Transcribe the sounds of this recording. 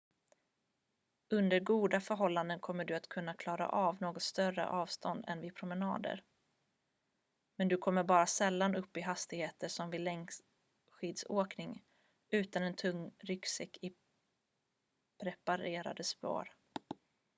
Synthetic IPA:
ɵnd̪əɾɡuːd̪afœɾɦɔlːand̪ənkʰɔmːəɖɵat̪kʰɵn̪ːakʰlɑːɾa̰ʔɑːvnoːɡɔt̪st̪œrə̰ʔɑːvst̪ɔnd̪ɛ̰nvɪpʰɾʊmənɑ̰ːd̪ə̰ɾ | mɛnd̪ɵkʰɔmːəɾbɑːɾasɛlːanɵpːɪɦast̪ɪheːt̪əʂɔmvɪlːɛŋ | ɧiːd̪soːknɪŋ | ʉ̟ːt̪anɛnt̪ʰɵŋːɾʏksɛkːɪ | pʰɾɛpaɾeːɾa̰d̪əspo̰ːɾ

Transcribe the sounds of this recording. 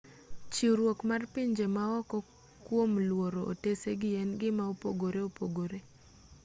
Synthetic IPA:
t͡ʃiuɾwokmarpiɲd͡ʒemaɔkɔ | kwomlwoɾoʔo̰teseɡɪɛnɡɪmaopoɡoɾeopoɡoɾe

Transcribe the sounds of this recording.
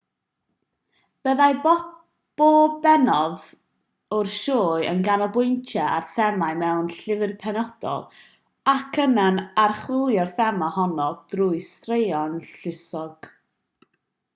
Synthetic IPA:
b̥əðaj | b̥oːbɛnɔð | ʊrʃoːɨə̰nɡanɔbʊjntʰjaarθɛmajmɛwnɬɪvɨrpʰɛnɔd̥ɔ̰lˠ | akʰənanarχlˠujɔrθɛmahɔnɔd̥ruɨstrejɔnɬɪsɔɡ̥

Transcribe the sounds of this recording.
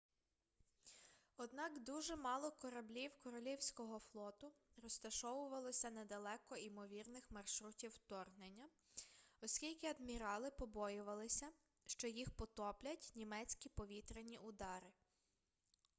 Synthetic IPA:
ɔd̪nɑkd̪uʒɛmɑlˠɔkɔɾɐblʲiwkɔɾɔlʲiwsʲkɔɦɔflˠɔt̪ʊrɔst̪ɐʃɔʋʊʋɐlˠɔsʲɐnɛd̪ɐlˠɛkɔimɔʋʲirnɪxmɐrʃɾutʲiwt̪ɔrɦnenʲːɐ | ɔsʲkʲilʲkɪɐd̪mʲiɾɑlˠɪpɔbɔjʊʋɐlˠɪsʲɐ | ʃt͡ʃɔjixpɔt̪ɔplʲɐtʲnʲimɛt͡sʲkʲipɔʋʲit̪ɾenʲiʔʊd̪ɑɾɪ

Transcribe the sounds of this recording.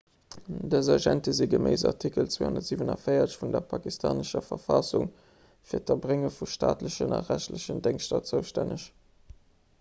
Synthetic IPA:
dəzɑʒæntəziːɡəmeɪzɑʁtʰikəlt͡sweːhondɐtz̥iːvənɑfəɪɐɕfundɐpʰɑkistʰaːnəʃɐfɐfɑsuŋ | fiːɐtɐbʁeŋəfuʃtʰaːtləɕənɑ̰ʁæʃtləɕəndeŋʃtɑt͡səʊʃtænəɕ

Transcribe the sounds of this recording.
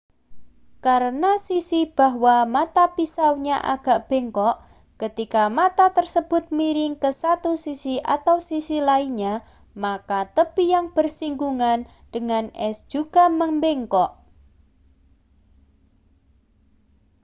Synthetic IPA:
kaɾənasisib̥a̤ɦwamat̪apisawɲaʔa̰ɡ̥a̤ʔb̥e̤ŋkɔʔ | kət̪ikamat̪at̪ərsəb̥ʊt̪̚miɾɪŋkəsat̪usisiʔa̰t̪awsisilaiɲa | makat̪əpijaŋb̥ərsiŋɡuŋan | ɖ̥əŋanɛsd̥ʒ̥uɡ̥a̤məŋmbeŋkɔʔ

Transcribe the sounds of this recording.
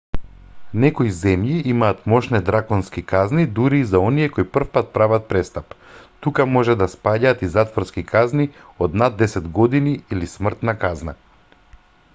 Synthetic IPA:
nɛkoizɛmjiimaːt̪mɔʃnɛd̪ɾakɔnskikaznid̪uɾiːzaɔnijɛkoipr̩fpat̪̚pɾavat̪̚pɾɛst̪apt̪ukamɔʒɛd̪aspaɟaːt̪izat̪vɔɾskikʰazni | ɔd̪nad̪ːɛsɛd̪ɡɔd̪iniilismr̩t̪nakazna̰

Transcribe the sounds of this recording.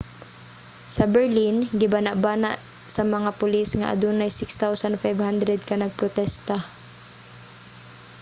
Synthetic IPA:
sɐbɛɹlinɡɪbanaʔbaːnaʔ | sɐmɐŋapʊlisŋɐ̰ʔɐ̰d̪unajsɪkst̪awsanfajvhand̪ɾɛd̪̚kɐnɐɡ̚pɾot̪ɛst̪a

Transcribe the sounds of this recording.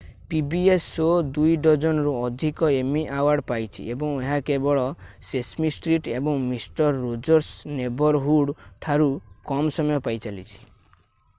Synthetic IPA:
pibiesod̪ujɖɔd͡ʒɔnɔɾuɔd̪ʱikɔemiʔawaɾɽpajt͡ʃʰḭebɔŋeɦakebɔɭɔsesmisʈɾiʈebɔŋmisʈɔɾːod͡ʒɔɾsnebɔɾɦuɽʈʰaɾukɔmsɔmɔjɔpajt͡ʃalḭt͡ʃʰi̥

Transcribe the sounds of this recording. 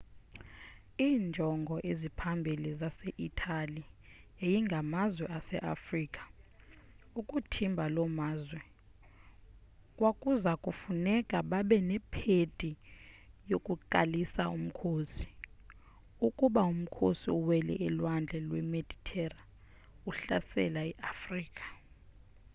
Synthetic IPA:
iːnd͡ʒʱɔŋɡʱɔʔezipʰambʱilizaseʔitʰaliejiŋɡʱamazwɛasɛ̰ʔa̰friːkʼḁ | ukʼutʰimbʱalɔmaːzwɛ | kʼwakʼuzakʼufunɛkʼaɓaɓɛnɛpʰetʼi | jokʼuǃalisaum̩kʰoːsi̥ | ukʼuɓaum̩kʰo̰sḭuwɛlɛ̰ʔɛlwand͡ɮʱɛlwɛmed̥ʱitʰɛra | uɬa̰sɛ̰laɛʔafriːkʼḁ

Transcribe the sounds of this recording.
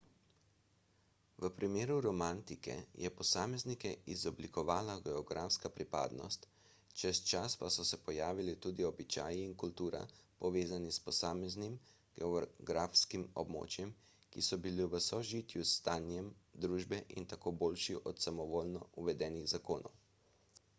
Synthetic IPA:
ʋəpɾʔimeːɾuɾɔmant̪ikɛ̰jʔɛpɔsaːmɛznikɛizɔblikɔʋaːlaɡɛɔɡɾaːfskapɾipa̰ːd̪nɔ̰st̪ | t͡ʃɛst͡ʃaspasɔsɛpɔjaːʋilit̪uːd̪iɔbit͡ʃa̰ːjiːnkult̪uːɾa̰pɔʋeːzanispɔsaːmɛznim | ɡ̥ɛɔɡɾaːfskimɔ̰bmo̰ːt͡ʃjɛm | kisɔbiliʋəsɔʒit̪just̪aːnjɛmd̪ɾuːʒbɛʔḭnt̪akoːboːlʃiʔɔt̪samɔʋoːlnɔuʋɛd̪ɛːniɣzakoːnɔ̰w

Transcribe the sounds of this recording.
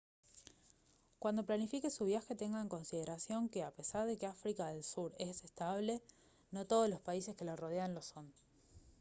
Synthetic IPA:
kwand̪o̞planifike̞suβjaxe̞t̪e̞ŋɡaeŋkonsið̞e̞ɾasjo̞ŋkeape̞saɾðe̞keafɾikaðe̞lsuɾesest̪aβ̞le̞ | no̞t̪oð̞oslo̞spaise̞ske̞laro̞ð̞eanlo̞so̞n

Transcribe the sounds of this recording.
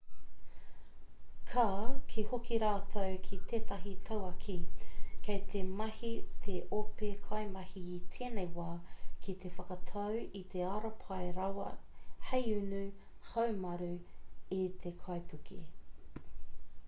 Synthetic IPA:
kʰaːkʰihokiɾaːt̪ʰowkʰit̪ʰeːt̪ɐɦit̪ʰɐwɐkʰikʰejt̪ʰemɐhit̪ʰeʔopekʰɐjmɐhiːt̪ʰeːnejwaːkʰit̪ʰefɐkɐt̪ʰɐwit̪ʰeɐɾɐpʰɐjɾɐwɐhejʉnʉ | hɐwmɐɾʉit̪ʰekʰɐjpʰʉki

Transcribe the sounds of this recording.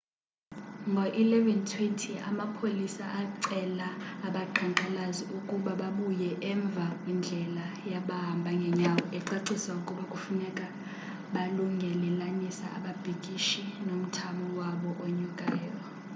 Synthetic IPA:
ŋɡʱɔʔilɛvɛntʰwɛntʰia̰mapʰolisa̰ʔaǀɛlaːɓaǃʰaŋǃalaziʔukʼuɓaɓaɓujɛʔɛɱb̪vʱakʼwind͡ɮʱɛla | jaɓaɦambʱaŋɡʱɛɲawɔɛǀaǀisaukʼuɓakʼufunɛkʼa | ɓaluŋɡʱɛlɛlanisa̰a̰ɓab̥ʱikʼiʃinom̩tʰamɔwaɓɔʔoɲukʼɛːjɔ

